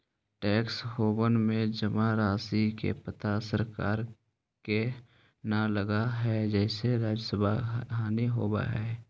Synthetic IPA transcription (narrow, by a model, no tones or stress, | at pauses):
ʈɛːksɦoːbənmẽd͡ʒəmaɾaːsikḛpət̪asəɾkaːɾ | ke | naləɡaɦɛd͡ʒɛːseɾaːd͡ʒəsəbʱaɦaːniɦoːba̰ɦɛː